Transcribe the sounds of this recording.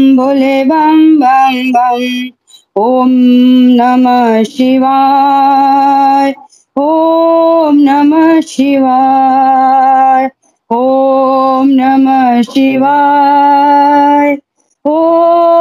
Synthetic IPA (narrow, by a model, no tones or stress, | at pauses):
bolebɐmbɐmbɐm | ɦomnɐmɐʃiʋa | j | ɦo | mnɐmɐʃiʋa | j | ɦo | mnɐmɐʃiʋa | j | ɦo